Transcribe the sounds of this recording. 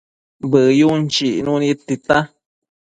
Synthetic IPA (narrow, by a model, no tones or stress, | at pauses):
bəjunt͡ʃiʔnũnit̪it̪a